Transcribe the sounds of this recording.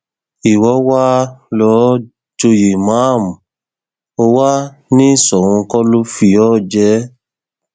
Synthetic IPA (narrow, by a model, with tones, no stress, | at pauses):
i˨wɔ˨˦wa˦lɔ˦ | d͡ʒo˧je˨mã˦˨m˨ | o˧wa˦ | nĩ˦˨sɔ˨w̃ũ˧kɔ˦lo˦fi˧ɔ˦˨d͡ʒɛ˨˦